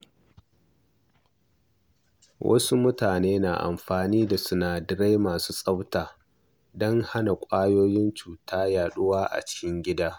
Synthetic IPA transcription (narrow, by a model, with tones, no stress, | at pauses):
wʔɐ̰˦su˦mʊ˦taː˨neː˦na̰˨ʔa̰˨mɸaː˨niː˦da˨sʊ˦naː˨dɪ˨ɽa˦jmaː˨suː˦sʼɐ˦wtaː˨ | dɔ˦ŋha˦na˨kʷʼaː˦joː˦jɪ˦nt͡ʃuː˨tʰaː˦jaː˨ɗʊ˦waː˦ʔa̰˨t͡ʃɪ̥˦kʲɪ˦ŋɡʲɪ˦daː˦